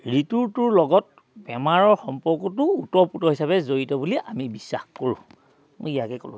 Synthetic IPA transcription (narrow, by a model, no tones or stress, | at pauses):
ɹituɹtʊɹlɔɡɔt̚ | bɛmaɹɔɹxɔmpɔɹkɔtʊutɔɹputɔɦisabɛzoɹitɔbuliʔamibisːa̰xkoɹṵ̃ | mo̰jijakɛkɔ̰lʊ̰̃